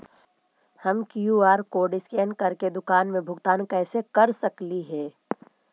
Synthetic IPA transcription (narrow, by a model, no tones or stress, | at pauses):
hɐmkjuːaːɾkoːɖɪskɛːnkɐɾked̪ʊkaːnmẽbʱʊɡt̪aːnkɛːsekɐɾsɐkliɦɛː